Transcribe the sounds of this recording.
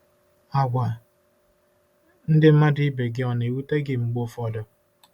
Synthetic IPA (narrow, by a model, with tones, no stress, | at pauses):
a˨ɡʷa˨ | n̩˦dɪ˦m̩˦ma˦dɪ˦be˨ɡɪ˦ɔ˨ne˨wu˦te˦ɡɪ˨ŋ͡m̩˨ɡ͡bo˦fɔ˨dɔ˨